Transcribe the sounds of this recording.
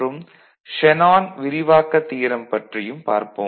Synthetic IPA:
ɯm | ʂɛnaːnʋɪɾɪʋaːkɐt̪ːiːɾɐmpɐʈrɪjɯmpa̰ːɾpɯ

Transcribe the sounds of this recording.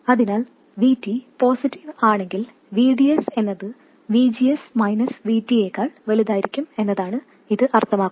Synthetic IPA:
ɐðinaːl | ʋiːtːipo̞ːsitːiʋaːɳe̞ŋɡil | ʋiːɖijɐse̞nːɐðɨ | ʋiːd͡ʑijɐsmɐjnɐsʋiːtːijeːkːaːɭʋeliðaːjiɾikʲːume̞nːɐðaːɳɨ | iðɨʔɐrt̪ʰɐmaːkːu

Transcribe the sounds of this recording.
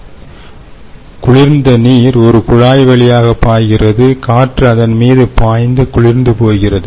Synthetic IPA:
kʊɻɪɾnd̪ɐniːɾɔɾɯkʊɻaːjʋɐɭɪjaːɣɐpːaːjɣɪrɐðɯkaːʈrɯɐðɐnmiːðɯpaːjnd̪ɯkʊɻɪɾnd̪ɯpoːjɣɪrɐðɯ

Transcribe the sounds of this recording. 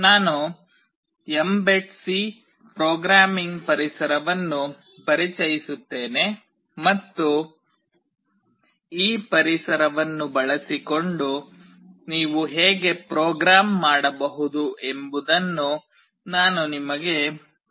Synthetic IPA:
naːnu | embeʈsi | pɾɔːɡɾaːmiŋɡpɐɾisɐɾɐʋɐnːu | pɐɾit͡ʃɐjisut̪ːe̞ːne̞ | mɐt̪ːu | iːpɐɾisɐɾɐʋɐnːubɐɭɐsiko̞ɳɖu | niːʋuɦeːɡepɾɔːɡɾaːmːaːɽɐbɐɦud̪uʔe̞mbud̪ɐnːu | naːnunimɐɡe̞

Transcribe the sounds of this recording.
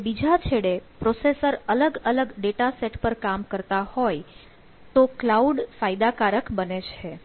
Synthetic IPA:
bid͡ʒʱat͡ʃʰeɽepɾosesəɾələɡələɡɖeʈaseʈpəɾkamkəɾt̪ahoj | t̪oklauɖfajd̪akaɾəkbənet͡ʃʰe

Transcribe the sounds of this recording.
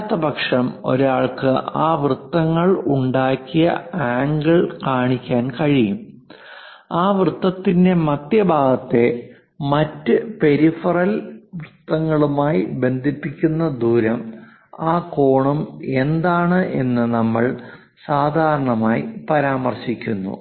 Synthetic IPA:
t̪ːɐbʱɐkʂɐmo̞̰ɾaːɭkɨʔaːʋrɨt̪ːɐŋːɐɭuɳɖaːkːijɐ̰aːŋɡɐɭkaːɳikʲːaːnkɐɻijum | aːʋrɨt̪ːɐt̪ːinde̞mɐt̪jɐbʱaːɡɐt̪ːe̞ | mɐtːɨpe̞ɾifɐrɐlʋrɨt̪ːɐŋːɐɭumaːjibe̞nd̪ʱipːikʲːunːɐd̪ʱuːɾɐm | aːko̞ːɳume̞nd̪aːɳɨʔe̞nːɨnɐmːɐɭ | saːd̪ʱaːɾɐɳɐmaːjipɐɾaːmɐrɕikʲːunːṵ

